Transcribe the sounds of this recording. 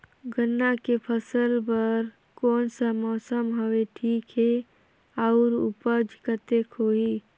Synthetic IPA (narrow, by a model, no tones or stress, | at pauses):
ɡənːakepʰəsəlbəɾ | kɔːnsamɔːsəmɦəʋeʈʰiːkɦe | aʊɾṵpəd͡ʒkət̪ekʰoːiː